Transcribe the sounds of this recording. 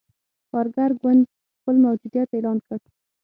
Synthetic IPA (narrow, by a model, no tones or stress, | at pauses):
kɑɾɡaɾɡwand̪ | xpəlmawd͡ʒud̪jat̪elɑnkəɽ